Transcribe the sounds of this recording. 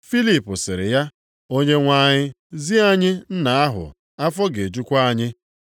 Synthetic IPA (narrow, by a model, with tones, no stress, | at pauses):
fi˦li˦˨pʊ˨sɪ˨ɾɪ̰˨ja˦ | o˦ɲe˦ŋʷa˦ɲɪ˦ | zi˦a˦ɲɪ˦n̩˦na˨a˦ɦʊ̰˨ | a˦fɔ˦ɡe˨d͡ʒu˦kʷa˦a˦ɲɪ˦